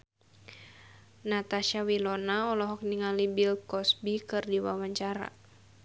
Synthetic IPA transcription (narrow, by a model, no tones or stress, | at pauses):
nat̪aʃawilɔnaɔlɔɦɔk̚niŋalibilkɔsbikɨrdiwa̰waɲt͡ʃaɾa̰